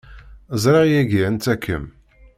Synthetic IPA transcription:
zˤɾˤɑʁjæɡiənt͡s̪ækʰːə̰m

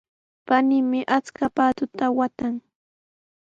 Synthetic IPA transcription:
panɪmɪʔat͡skapaːt̪ʊt̪awat̪aŋ

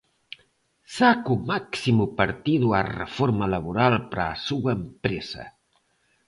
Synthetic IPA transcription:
sakumaksimupəɾt̪iðuarə̰foɾməlaβuɾalˠpɾa̰suəmpɾezɐ̰

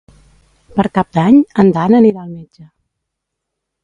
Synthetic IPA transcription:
pəɾkap̚d̪aɲənd̪anəniɾaːlˠmed͡ʒə

